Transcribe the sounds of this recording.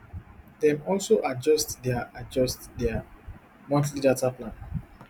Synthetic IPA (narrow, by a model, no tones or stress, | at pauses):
dɛ̃mɔlsoʔad͡ʒɔstdɛaad͡ʒɔstdɛa | mɔ̃ntlitataplãn